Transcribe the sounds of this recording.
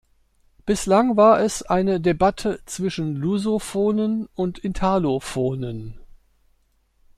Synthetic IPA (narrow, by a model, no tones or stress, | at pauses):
b̥ɪslaŋvaːɐʔɛsʔaɪnədebatʰət͡sv̥ɪʃn̩luzofoːnənʊntʰɪntʰalofoːnən